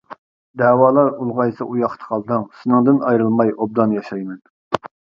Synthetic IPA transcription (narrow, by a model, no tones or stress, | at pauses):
d̪æːwɑːlˠɑɾulˠʁɑjsɨʔujɑqt̪ʰə̥qʰɑlˠd̪ɨŋsɨnɨŋd̪ɨnɑjɾɨlˠmɑjob̚d̪ɑnjɑʃɑjmɛn